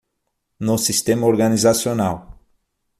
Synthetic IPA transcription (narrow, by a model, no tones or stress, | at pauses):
nosist̪emoɾɣanizasjonaw